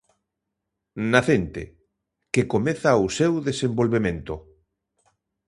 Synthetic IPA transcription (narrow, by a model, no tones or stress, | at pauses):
naθent̪ḛ | kekomeθawsewðesembolβemẽnt̪ʊ